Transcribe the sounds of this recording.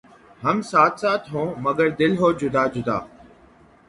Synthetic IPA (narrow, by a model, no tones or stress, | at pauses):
hɐmsaːt̪ʰsaːt̪ʰɦõːmɐɡəɾd̪ɪlɦoːd͡ʒʊd̪aːd͡ʒʊd̪a̰ː